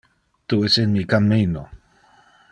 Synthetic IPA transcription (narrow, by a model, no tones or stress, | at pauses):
t̪uesenmikamino